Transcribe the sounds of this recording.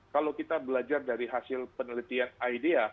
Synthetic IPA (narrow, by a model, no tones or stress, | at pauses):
kalawkit̪abəlad͡ʒardaɾiɦasɪlpənəlit̪ianajdia